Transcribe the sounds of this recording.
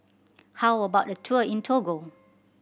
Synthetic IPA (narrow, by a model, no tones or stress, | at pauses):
hawəbaʊʔ̚dətʰuəĩntʰoɡo